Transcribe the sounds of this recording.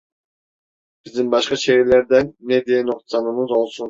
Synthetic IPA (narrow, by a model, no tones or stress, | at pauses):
bizd̪ɪmbɑʃqɑʃeɾleɾd̪ɛnːed̪ejɛnoq̚t̪sɑnɯmɯzolˠsun